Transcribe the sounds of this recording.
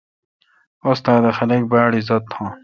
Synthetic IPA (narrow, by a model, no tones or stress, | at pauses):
ost̪aːd̪ɐxɐlek̚baːɽizɐt̪ʰːõː